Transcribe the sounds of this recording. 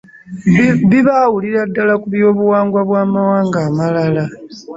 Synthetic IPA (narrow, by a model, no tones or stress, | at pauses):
βiβawuliɾadːalakuβjo̞ːβuwaːŋɡwaβwaːmawaːŋɡaːmalala